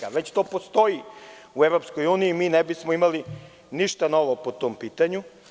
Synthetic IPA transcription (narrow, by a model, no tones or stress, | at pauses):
aʋet͡ɕt̪oːpost̪o̞i | ueʋɾo̞pskojuːniːmiːnebismoimali | niʃt̪ano̞ʋopot̪oːmpiːt̪aɲu